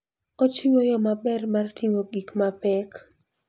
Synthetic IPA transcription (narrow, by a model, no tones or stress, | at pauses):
ɔt͡ʃiŋojɔmabɛrmartʰiŋoɡikmapɛk